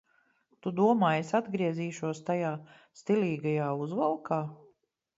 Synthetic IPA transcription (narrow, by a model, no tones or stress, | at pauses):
t̪ud̪uɔmaːjesad̪ɡɾiɛziːʃuɔst̪ajaː | st̪iliːɡajaːuzvalˠkaː